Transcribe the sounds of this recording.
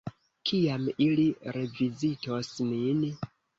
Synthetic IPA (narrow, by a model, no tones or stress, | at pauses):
kʰijamiliɾe̞vizitosnin